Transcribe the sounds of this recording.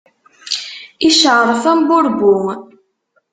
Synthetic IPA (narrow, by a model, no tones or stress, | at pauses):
iʃəʁɾˤfæmbʊɾbʊ